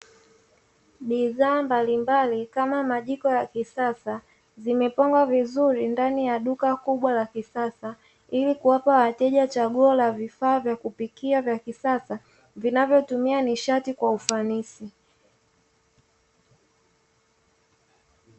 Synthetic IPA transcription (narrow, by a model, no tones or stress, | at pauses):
ɓiðaːmbalimbalikamamaʄikɔjakisasa | zimɛpɔŋɡwavizuɾindanijaɗukakuɓwalakisasa | ilikuwapawatɛʄat͡ʃaɠuɔlavifaːvjakupikiavjakisasa | vinavjɔtumianiʃatikwaufanisi